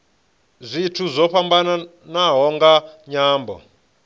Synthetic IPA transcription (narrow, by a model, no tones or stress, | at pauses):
zʷitʰuzɔɸambana | naɦɔŋɡaɲaːmbɔ̰